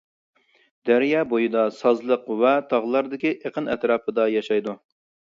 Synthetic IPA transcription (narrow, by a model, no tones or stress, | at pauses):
d̪̥æɾjɑːbojid̪ɑsɑzlˠəqwɛt̪ʰɑʁlˠɑɾd̪ɪkʲiʔeqʰənɛt̪ɾɑːpʰəd̪ɑjɑʃɑjd̪u